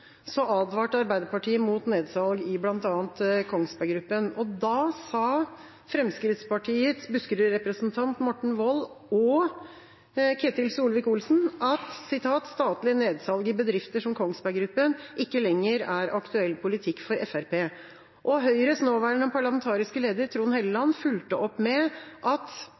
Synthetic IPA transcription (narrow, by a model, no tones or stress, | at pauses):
sɔʔɑːd̪ʋɑːʈəɑɾbæɪd̪əɾpɑʈʰiːəmuːt̪neːd̪sɑlɡɪblɑnt̪ɑːnt̪kʰɔŋsbæɡɾʉpːənɔd̪ɑsɑ | fɾɛmskɾɪt̪spɑʈʰiːət̪sbʉskɾəɾɛpɾəsnt̪ʰɑnt̪mɔʈːɳ̩ʋɔlːɔ | kʰet̪ɪlsuːlʋɪkʊlsn̩ɑt̪sɪt̪ʰɑːt̪st̪ɑːt̪lɪəneːd̪sɑlɡəbəd̪ɾɪft̪əʂɔmkʰɔŋsbæɪɡɾʉpːənʔɪkːəlɛŋːəɾæɾʔɑkt̪ʉɛlːpʰʊlɪt̪ʰɪkːfɔɾʔɛfæɾpʰeː | ʔɔɦœʏɾəsnoːʋæːɳɔmpʰɑɭɑmɛnt̪ʰɑːɾɪskəleːd̪əɾt̪ʰɾuːnhɛːləlɑnːfʉlt̪əʔɔpːmɛʔɑt̪